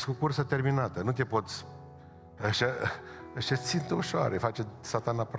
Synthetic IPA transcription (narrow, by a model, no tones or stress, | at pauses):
skokursət̪e̞rminat̪ənut̪e̞po̞t̪sʲ | aʃaaʃasint̪uʃoa̰ɾefat͡ʃesat̪anap